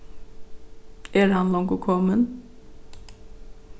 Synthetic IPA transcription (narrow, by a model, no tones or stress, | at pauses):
ɛɾhɑnlɔŋkukʰɔmən